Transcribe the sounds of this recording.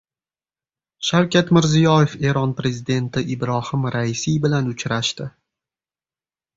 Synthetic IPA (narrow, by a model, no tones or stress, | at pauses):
ʃawkʲʰat̪mɪɾzijɒje̞fe̞ɾɒnpɾe̞zɪd̪e̞nt̪ʰɪʔɪbɾɒhɪmɾaɪsijbɪlanʊt͡ʃʰɾaʃt̪ɪ